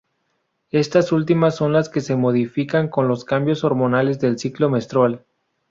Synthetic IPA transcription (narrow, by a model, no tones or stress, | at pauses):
e̞st̪asult̪imasːo̞nlaske̞se̞mo̞ð̞ifikaŋko̞nlo̞skambjo̞so̞ɾmo̞nale̞zðe̞lsiklo̞me̞st̪ɾwal